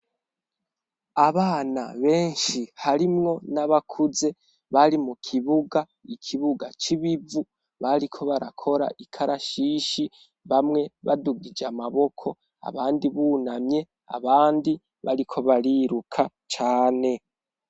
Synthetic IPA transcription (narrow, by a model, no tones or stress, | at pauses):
aβaːna̰βe̞ːnʃihaɾimŋo̞naβakʰuze̞ | βaɾimukʰiβuɡa | ikʰiβuɡat͡ʃiβivu | βaɾikʰo̞βaɾakʰo̞ɾa̰ʔikʰaɾʔaʃiːʃi | βamŋe̞βa̰duɡid͡ʒamaβo̞kʰo̞ | a̰βaːndiβunamɲe̞ | a̰βaːndi | βa̰ɾikʰo̞βaɾiɾukʰa | t͡ʃaːne̞